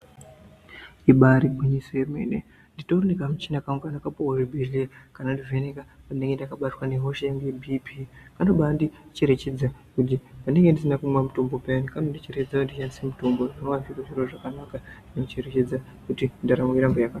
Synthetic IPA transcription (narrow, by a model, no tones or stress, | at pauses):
iɓaɾibʱuɲisojemḛnḛ | nditoronekamut͡ʃinakaŋokanakapoworebʱeɮekanandivenekapaine̞ŋɡendakaɓatwaneɦo̞ʃeaŋɡebʱipikanoɓandit͡ʃe̞ɾe̞t͡ʃe̞d͡zakut̬ipane̞ŋɡendisinakumwamuto̞mbo̞peanikanondit͡ʃeɾet͡ʃed͡zakundit͡ʃanisemuto̞mboʐinowaviroʐiroʐakanakadinokt͡ʃeɾet͡ʃe̞d͡za | kutindaɾamiɾambojakaa